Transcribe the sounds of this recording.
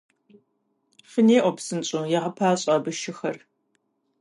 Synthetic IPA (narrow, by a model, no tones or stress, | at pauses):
fəneːʔʷɔpsɨnt͡ʃʼojɛʁɐpʰaːɕʼɐbɨʃɪxɐr